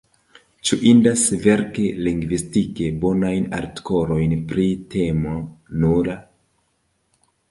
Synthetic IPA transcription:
t͡ʃuʔindasve̞ɾkeliŋɡvistikebo̞najna̰ɾtko̞ɾo̞jnpɾite̞monuɾa

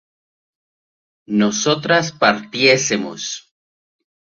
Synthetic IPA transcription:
noso̞t̪ɾaspaɾt̪je̞semo̰s

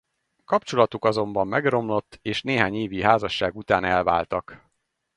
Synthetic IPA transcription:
kɒpt͡ʃo̞lɒt̪ukɒzo̞mbɒmːɛɡro̞mlo̞t̪ːeːʃneːɦaːɲeːviɦaːzɒʃːaːɡut̪aːnɛlvaːlt̪ɒk

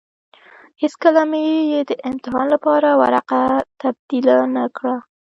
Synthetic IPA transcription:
heskəlamejed̪əʔɪmt̪ɪɦɑnlapɑɾawa̰ɾaqat̪ab̚d̪̥ilanakɽa

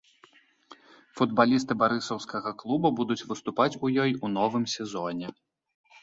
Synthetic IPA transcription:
fud̪balʲist̪ɨbaɾɨsɐwskɐɣɐklˠububud̪ut͡sʲvɨst̪upat͡sʲujɔjunɔvɨmsʲɛzɔnʲɛ

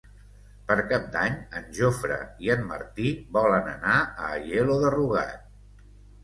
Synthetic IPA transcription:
pəɾkap̚d̪aɲənʲʒofɾə̰iəmːə̰ɾt̪ibɔlənənaəːʎeloðəruɣa̰t̪̚

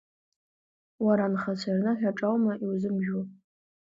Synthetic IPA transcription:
waɾanχat͡ɕʷʰarnɨħᶣaʈ͡ʂʼawmaʔiwzɨmʒᶣu

